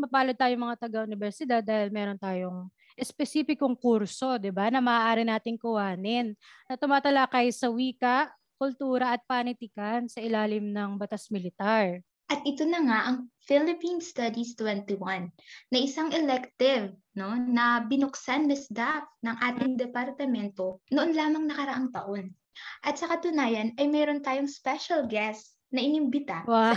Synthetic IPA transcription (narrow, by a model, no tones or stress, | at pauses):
mɐpaːlod̚t̪aːjoŋmɐŋat̪ɐɡaʔʊnɪbɛɾsɪd̪ad̪̚ːaːhɪlmɛːɾo̞nt̪aːjoŋ | ʔɛspɛsiːfɪkoŋkuɾso̞d̪ɪbanɐmɐʔːʔaːɾɪnaːt̪ɪŋkʊwaːnɪnːɐt̪ʊmaːt̪ɐlakɐjsɐwiːkɐʔ | kʊlt̪uːɾɐʔɐt̪̚paːnɪt̪ɪkɐnsɐʔɪlaːlɪmnɐŋbɐt̪asmɪlɪt̪aɹ | ʔɐt̪ʔɪt̪onɐŋaʔɐŋfɪlɪpinst̪ad̪ist̪wɛnt̪iwanːɐʔɪsaŋʔɛlɛkt̪ɪv | no̞nɐbɪnʊksanːɐsd̪ap̚nɐŋʔaːt̪ɪŋd̪ɛpɐɾt̪ɐmɛnt̪o̞noʔo̞nlaːmɐŋnɐkɐɾɐʔaŋt̪ɐʔo̞n | ʔɐt̪̚sɐkɐt̪ʊnaːjɐnɐjmɛɾo̞nt̪aːjoŋspɛʃɐlɡɛs | nɐʔɪnɪmbɪt̪aa